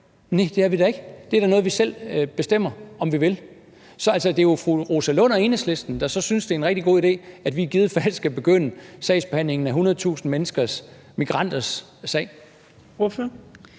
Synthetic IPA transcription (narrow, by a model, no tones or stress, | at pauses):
ned̥e̝æʋidæ̈e̝ɡ̥əd̥e̝æɐɾænɔ̽ːð̞̩ˠʋisel̰b̥e̝sd̥em̰ɐɒ̽mʋiʋe̝l | sɒ̽æl̰sɒd̥e̝jo̝fʁuʁo̝sælɔnɐe̝ːnəsle̝sd̥n̩d̥æsɒ̽synsd̥e̝ɐenʁɛɡ̥̚d̥iɡ̥o̝̰id̥e̝̰ːæd̥ʋiɡ̥ið̞ˠəfælsɡ̥æb̥e̝ɡ̥øn̰əsɛ̰ɪsb̥ehæn̰le̝ŋn̩æɦunɐð̞̩ˠt͡sʰṵːsn̩menəsɡ̥ɐs | miɡ̥ʁɑ̈n̰d̥ɐsː | ɛ̰ɪ̰ | ɔf